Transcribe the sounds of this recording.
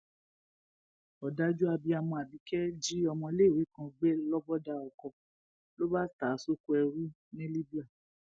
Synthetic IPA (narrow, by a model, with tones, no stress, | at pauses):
ɔ˨da˦d͡ʒu˦a˧bi˧a˨mɔ̃˧a˨bi˨˦kɛ˦d͡ʒi˦ɔ˧mɔ̃˧le˦˨wi˨˦kã˧ɡ͡be˦lɔ˦bɔ˦da˧ɔ˨kɔ˨ | lo˦ba˦taː˨˦so˦ku˦ɛ˧ɾu˦ | nĩ˦li˦bi˦a˦˨